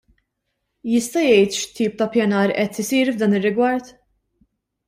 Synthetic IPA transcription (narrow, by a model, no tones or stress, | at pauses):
jɪst̪ɐjɛjt̪ʃt̪iːp̚t̪ɐpjɐnɐːɾʔɛt̪ɪsiːɾvd̪ɐːnɪrːɪɡwɐɾt̪